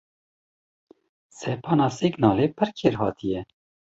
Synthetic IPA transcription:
sɛpʰɑːnɑːsiɡnɑːleːpʰɨɾkʰeːɾhɑ̰ːt̪ʰijɛ

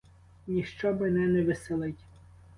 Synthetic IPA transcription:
nʲiʃt͡ʃɔbɪnɛnɛʋɪselˠɪtʲ

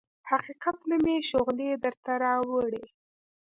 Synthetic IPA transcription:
haqiqat̪nameʃoɣled̪əɾt̪aɾɑwəɽe

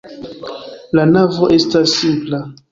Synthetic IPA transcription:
lanavo̞ʔe̞stasːipla

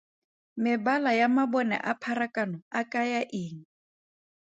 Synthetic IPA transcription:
mɪbalajamabɔnɛ̰ʔapʰaɾakʼanɔakʼajaʔɪːŋ̩

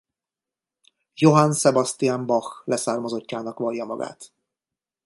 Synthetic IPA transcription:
jo̞ɦansɛbɒst̪ijaːmbɒxlɛsaːrmɒzo̞cːaːnɒkʋɒjːɒmɒ̰ɡa̰ːt̪

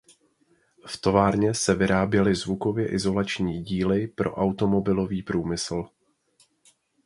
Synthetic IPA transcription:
ft̪o̞vaːɾɲɛsɛvɪɾaːbjɛlɪzvuko̞vjɛʔɪzo̞lat͡ʃɲiːɟiːlɪpɾo̞̰ʔawt̪o̞mo̞bɪlo̞viːpɾuːmɪsl̩

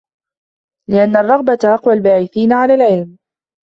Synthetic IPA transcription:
lɪʔanːarˤːɑɣbat̪aʔɑqwalbaːʕɪθiːnaʕalaːlʕɪlm

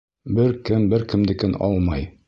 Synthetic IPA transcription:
bɘɾkɘmbɘɾkɘ̆md̪ɘ̆kɘnɒ̰lˠmɑj

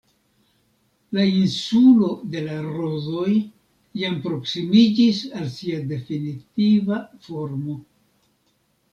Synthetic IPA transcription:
lainsulo̞de̞laɾo̞zo̞j | jampɾo̞ksimid͡ʒisalsiade̞finitivafo̞ɾmo̞

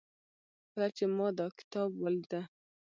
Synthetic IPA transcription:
pɾat͡ʃemɑd̪ɑkɪ̥t̪ɑbwald̪a

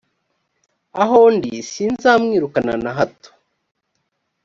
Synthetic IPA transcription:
aɦondisinzaːmŋiːɾukana̰naɦato̥

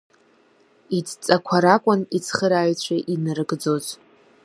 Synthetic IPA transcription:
it͡sʼt͡sʼakʷʰaɾakʷʼʊnit͡sʰχəɾaɥt͡ɕʷʰaʔinɨrɡd͡zo̞zʼ

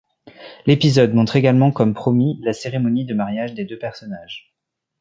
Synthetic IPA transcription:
lepizɔd̪mɔ̃t̪χeɡalmɑ̃kɔmpχɔmilaseʁemɔnid̪əmaʁjaʒd̪ed̪øpɛʁsɔnaʒ

